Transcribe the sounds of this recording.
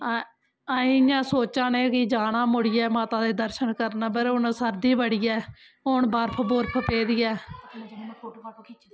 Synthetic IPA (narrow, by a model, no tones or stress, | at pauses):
ĩd͡ʒãːsoːt͡ʃaːnẽːkɪd͡ʒaːɽãːmʊɽɪjɛːmaːt̪ãːd̪eːd̪əɾʃənkəɾnaːbəɾʊnsəɾd̪iːbəɽiːɛː | ɦʊɳbəɾpʰboɾpʰpeːd̪ijɛː